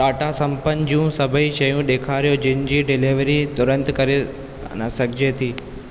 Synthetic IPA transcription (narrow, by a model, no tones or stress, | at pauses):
ʈaːʈasɐ̃mpənd͡ʑijũsɐbʱəiʃɐjũɗeːkʰaːɾijod͡ʑɪnɪd͡ʑiːɖɪliʋəɾit̪ʊɾə̃nt̪kɐɾe | nɐsɐɡʱɪd͡ʑet̪ʰiː